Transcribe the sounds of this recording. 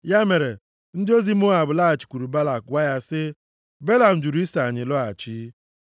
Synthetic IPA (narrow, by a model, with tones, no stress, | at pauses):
ja˦me˨ɾe˨ | n̩˦dɪ˦o˦zi˦m˦ʊ˦a˨bʊ˨la˦a˨t͡ʃi̥˨kʷu˨ɾu˨ba˦la˨kwa˦ja˦sɪ˦ | be˦la˨m̩˨d͡ʒu˨ɾu˨i˦sa˨ɲɪ˨lɔ˦a˨t͡ʃi˦